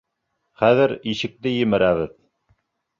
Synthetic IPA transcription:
χæðɘɾiʃɘ̆k̚t̪ɘjɘ̆mɘ̆ɾæβɘð

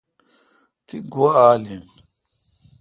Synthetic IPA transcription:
t̪ʰiɡuaaːlin

